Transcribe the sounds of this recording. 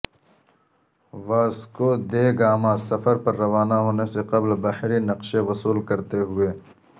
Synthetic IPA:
ʋaːskod̪eːɡaːmãsɐfəɾpɐɾːɐʋaːnaɦoːneseqɐblbahɾinɐqʃeʋɐsuːlkɐɾt̪eɦʊeː

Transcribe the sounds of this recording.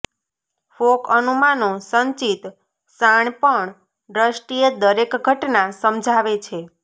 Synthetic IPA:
fokənumanosəɲt͡ʃit̪ | saɳpəɳ | ɖɾəsʈied̪əɾekɡʱəʈnasəmd͡ʒʱaʋet͡ʃʰe

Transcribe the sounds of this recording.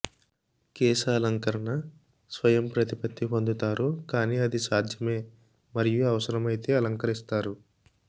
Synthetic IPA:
kɛːsaːlɐŋkɐɾɐɳɐ | sʋɐjɐmpɾɐt̪ipɐt̪ːipo̞nd̪ut̪aːɾukaːniːɐd̪isaːd̪ʱjɐme̞ː | mɐɾijuɐʋɐsɐɾɐmɐjit̪e̞ːɐlɐŋkɐɾist̪aːɾu

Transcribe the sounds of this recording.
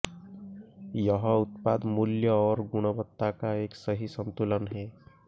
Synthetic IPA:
jʌɦɔut̪̚pad̪muljəɔɾɡuɽ̃ɔbət̪ːakaeksəɦisənt̪ulənɦe

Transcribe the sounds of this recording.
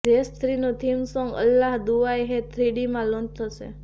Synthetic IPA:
d͡ʒest̪ʰɾinũt̪ʰimsɔ̃ŋɡə̰lːaɦd̪uʋajɦet̪ʰɾiɽimãlond̪̚t̪ʰəʃḛ

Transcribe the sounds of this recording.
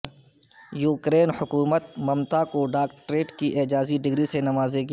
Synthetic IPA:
juːkɾeːnhʊkuːmət̪̚mɐmt̪akoɖaːkʈɾeːʈkiʔeːd͡ʒaːziɖɪɡɾisenɐmaːzeki

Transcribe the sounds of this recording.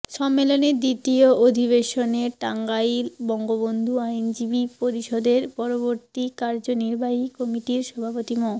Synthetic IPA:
ʃɔmːeloned̪it̪ioʔod̪ʱiβeʃoneʈaŋɡajilbɔŋɡobond̪ʱuajnd͡ʑibipoɾiʃod̪eɾpɔɾoboɾt̪ikaɾd͡ʑoniɾbaɦikɔmiʈiɾʃɔbʱapot̪imɔ

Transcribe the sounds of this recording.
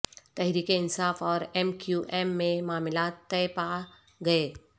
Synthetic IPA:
t̪ɛɦɾiːkeɪnsaːfɔːɾɛːmkjuːʔɛːmːẽmaːmɪlaːt̪ːɛepa | ɡɐeː

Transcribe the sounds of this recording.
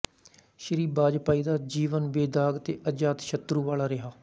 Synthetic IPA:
ʃəɾiːbaːd͡ʒpaːiːd̪aːd͡ʒiːʋənbeːd̪aːɡt̪ḛːʔəd͡ʒaːt̪ʃət̪ɾuːʋaːlaːɾɪɦaː

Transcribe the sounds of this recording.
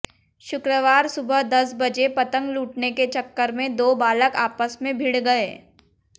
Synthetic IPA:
ʃʊkɾəʋaːɾsʊbəɦd̪ɐsbɐd͡ʒepɐt̪ə̃ŋɡluːʈneket͡ʃɐkːəɾmẽd̪oːbaːləkaːpəsmẽbʱɪɽɡɐeː

